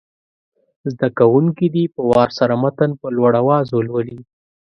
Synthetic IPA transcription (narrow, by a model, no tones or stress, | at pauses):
zd̪akawuŋkid̪ipəwɑɾsaɾamat̪anpəlwaɽawɑzolwəli